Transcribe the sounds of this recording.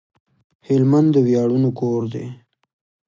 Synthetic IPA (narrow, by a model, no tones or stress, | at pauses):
hɪlmand̪ːəwjɑɽunokoɾd̪ḛ